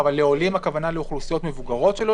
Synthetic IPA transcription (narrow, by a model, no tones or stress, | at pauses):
valːeo̞limakavanaleuχlusijo̞t̪me̞vuɡaʁo̞t̪ʃelo